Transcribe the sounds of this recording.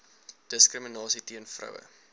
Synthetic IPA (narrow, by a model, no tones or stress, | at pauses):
d̥əskrəminɑːsitiənfrɐ̰wə̰